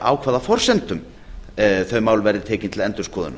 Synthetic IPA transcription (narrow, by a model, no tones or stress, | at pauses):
a̰ːwkʰvaːðafɔr̥sɛnt̪ʏm | θœɥmaːwlvɛɾðɪt̪ʰɛːcɪnt̪ʰɪlɛnt̪ʏɾ̥skʰɔːðʏ̰na